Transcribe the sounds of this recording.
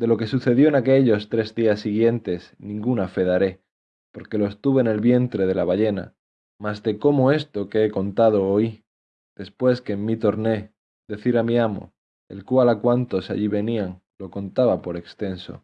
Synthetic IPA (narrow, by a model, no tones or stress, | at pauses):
d̪e̞lo̞kesuθe̞ðjo̞enake̞ʎo̞st̪ɾe̞zðiasːiɣ̞je̞nt̪e̞snĩŋɡunafe̞ðaɾe̞ | po̞ɾke̞lo̞est̪uβene̞lβje̞nt̪ɾe̞ð̞e̞laβ̞aʝe̞na̰ | mazd̪e̞ko̞moe̞st̪o̞keeko̞nt̪að̞o̞oj | d̪̥e̞spwe̞skeːmmːit̪o̞ɾne̞ | d̪e̞θiɾamiamo̞̰ | ḛlkwalakwant̪o̞sa̰ʎiβe̞niaŋ | lo̞ko̞nt̪aβapo̞ɾe̞kst̪e̞nso̞̰